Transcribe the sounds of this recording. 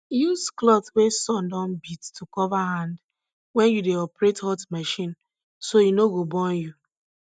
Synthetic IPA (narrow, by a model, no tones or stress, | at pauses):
jusklɔθwesɔ̃ndɔ̃nbittʰːukɔvahãnd | wɛ̃njudeɔpɹethɔtmɛʃĩn | soinoɡobɔ̃nju